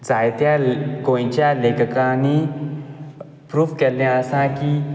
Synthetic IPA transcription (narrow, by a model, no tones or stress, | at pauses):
d͡zajt̪jaɡõj̃t͡ɕjalekəkãni | pɾuːʋkɛljaəsãki